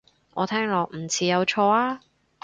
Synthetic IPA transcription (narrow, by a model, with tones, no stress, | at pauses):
ʔɔː˨˧t̪ʰɛː˥ŋlɔː˨k̚m̩˨˩t͡sʰiː˨˧jɐ˨˧wt͡ʃʰɔː˧aː˥